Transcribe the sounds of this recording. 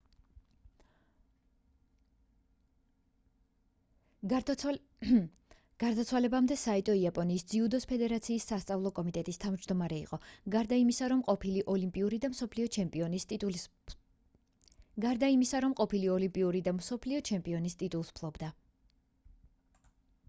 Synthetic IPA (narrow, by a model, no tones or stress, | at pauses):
ɡ̥aɾd̪at̪sʰwalɛbamd̪ɛsait̪ʼɔiapʼɔniːsd̪z̥iud̪ɔspʰɛd̪ɛɾat̪sʰiːsːast̪sʼavlˠɔkʼɔmit̪ʼɛt̪ʼist̪ʰavd͡ʒd̪ɔmaɾɛḭqʼɔɡaɾd̪aimisaɾɔmqʼɔpʰiliʔɔlimpʼiuɾid̪amsɔpʰliɔt͡ʃʰɛpʼiɔnist̪ʼ | ɡaɾd̪aimisaɾɔmqʼɔpʰiliɔlimpʼiuɾid̪amsɔpʰliɔt͡ʃʰɛmpʼiɔnist̪ʼit̪ʼulˠspʰlˠɔbd̪a